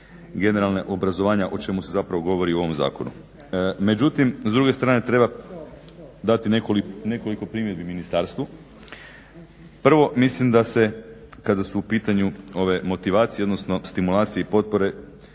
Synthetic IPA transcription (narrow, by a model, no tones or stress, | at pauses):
ɡe̞ne̞ɾalˠnaʔo̞bɾazoʋaːɲaʔo̞t͡ʃe̞musezapɾaʋoɡo̞ʋo̞ɾiuo̞ʋo̞mza̰ːko̞nṵ | me̞d͡ʒut̪imzd̪ɾuɡe̞st̪ɾaːne̞t̪ɾe̞ba | d̪at̪inekoline̞ko̞liko̞pɾimje̞d̪biminist̪aːɾst̪ʋu | pr̩ʋo̞mislimd̪asekad̪asuːpiːt̪aɲuo̞ʋe̞mo̞t̪iʋaːt̪sijeod̪no̞sno̞st̪imulˠaːt̪sije̞ipo̞t̪̚po̞ɾe̞